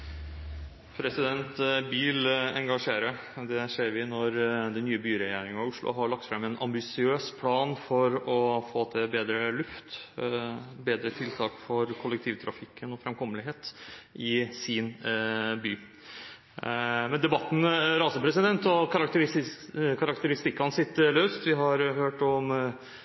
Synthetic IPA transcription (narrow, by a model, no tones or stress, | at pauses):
pʰɾɛsɪd̪ɛnt̪biːlɛŋɡɑʂeːɾə | d̪ɛʂeːɾʋɪnɔɾd̪ɛnːyːəbyːɾɛjeːɾɪŋɑʊʂlʊ̰ɦɑɾɭɑk̚t̪fɾɛmːɛnʔɑmbɪsɪøːspʰlɑːnfɔɾɔfoːt̪ʰɛbeːd̪ɾəlʉft̪ | beːd̪ɾət̪ʰɪlt̪ʰɑːkfɔɾkʰʊlək̚t̪ʰiːʋt̪ʰɾɑ̰fɪkːənɔfɾɛmkʰɔmːəlɪɦeːt̪ʔɪsɪnbyː | mɛnd̪ɛbɑt̪ːn̩ɾɑːsəpɾɛsɪd̪ɛnt̪ɔkʰɑɾɑkt̪əɾ | kʰɑɾɑkt̪əɾɪst̪ɪkːɑnsɪt̪ːəløːst̪ʋɪɦɑɾhøːʈɔm